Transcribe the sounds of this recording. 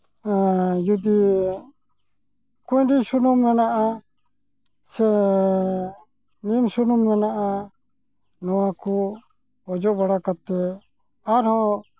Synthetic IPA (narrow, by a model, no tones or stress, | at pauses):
jud̪i | kujɖisunumkanaʔa | sɛ | nimsunumkanaʔa | nɔwaku | ɔd͡ʒɔʔbaɽakat̪ːɛ | aɾhɔ̃